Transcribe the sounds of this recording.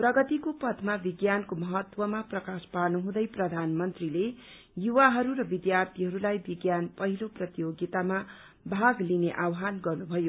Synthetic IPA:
prʌɡʌt̪ikopʌd̪mabiɡjankomʌɦʌt̪wʌmaprʌkaspaɾnuɦũd̪ʌjprʌd̪ʱanmʌnt̪rile | juwaɦʌɾuɾʌbid̪jart̪ʰiɦʌɾulajbiɡjanpʌɦiloprʌt̪joɡit̪ama | bʱaɡlineʔawɦanɡʌrnubʱʌjo

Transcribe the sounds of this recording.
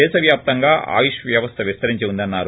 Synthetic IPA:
ɛːsɐʋjaːp̚t̪ɐŋɡaːʔa̰ːjiʃɐʋjɐʋɐst̪ʰɐʋist̪ɐɾiɲt͡ʃeund̪ɐnːaːɾu

